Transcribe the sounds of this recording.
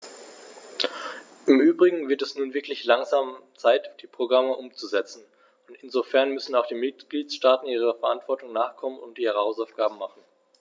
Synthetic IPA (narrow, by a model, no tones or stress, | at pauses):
ʔɪmʔyːbʁɪɡŋ̩vɪɐtɛsnuːnvɪɐklɪçlaŋzaːmt͡saɪtd̥iːpʁ̥oɡʁaməʔʊmt͡suzɛt͡sn̩ | ʊntɪnzofɛɐnmʏsn̩aʊxd̥iːmɪtɡ̥liːt͡sʃtaːtn̩iːʁ̞əfɛɐʔantv̥ɔɐtʊŋnaːχkʰɔmənʊntʔiːʁəhaʊsaʊfɡ̥aːbm̩maχn̩